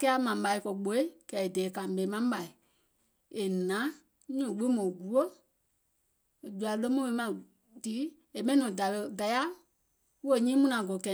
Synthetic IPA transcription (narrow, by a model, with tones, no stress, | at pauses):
kɛ˦a˦mã˨ɓa˧i˧kɔ˨ɡ͡bo˨e˦kɛ˨e˨dɛː˨ka˨ɓɛ˨˦mã˦ɓa˨i˨ | e˨nã˨˦ | ɲɔ̃˨ɡe˦mɔ̃ː˨ɡu˨˦o˦˨ | d͡ʒu˨˧a˨˧lə˧˦mɔ̃˦˧e˧˦mã˨ | tiː˨˦ | e˨mɛ̃˦ĩ˦nɔ̃˨da˨lə˧da˨ja˦ | wu˦o˦˨ɲĩː˦mũ˧nã˨ɡo˨kɛ˨